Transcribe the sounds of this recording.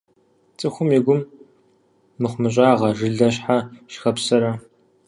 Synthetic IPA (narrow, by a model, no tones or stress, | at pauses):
t͡sʼɨxʷʊmjiɡʷʊm | ɨχʷmɨɕ̬ʼaːʁɐʐɨɮɐɕħaʃxɐpsɐɾɐ